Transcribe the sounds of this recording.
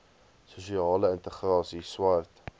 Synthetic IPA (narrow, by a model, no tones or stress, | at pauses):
suʃiɑːləɪnt̪əχrɑːsiswart̪